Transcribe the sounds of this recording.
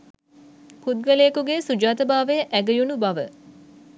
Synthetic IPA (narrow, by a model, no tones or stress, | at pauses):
pud̪̚ʋelejːkuɡesud͡ʒaːt̪əbaːʋəjəʔæɡəjunubaʋə